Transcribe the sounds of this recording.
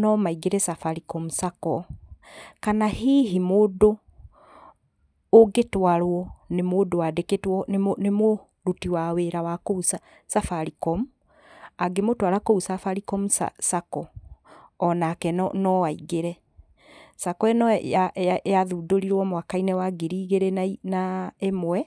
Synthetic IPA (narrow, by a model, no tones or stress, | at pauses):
nɔmaiɡeɾɛsafaɾikɔmusakɔ | kanahiɦimoːdo | oɡetwaɾwɔnemoːdowadeketwɔnnemo | ɾutiwaweɾawakousa | safaɾikɔmu | aɡemotwaɾakousafaɾikɔmusa̰sakɔ | ɔnaːkɛnnɔwaiɣeɾɛ | sakɔɛnɔajaðudoɾiɾwɔmwakainɛwaɡiɾiːɣeɾɛnainaemwɛ